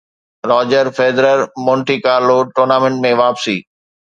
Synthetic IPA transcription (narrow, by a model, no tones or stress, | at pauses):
ɾɔːd͡ʑəɾfeːd̪ɾəɾmɔ̃ːɳʈikaːɾloʈoːɾnaːmẽɳʈmẽʋaːpsiː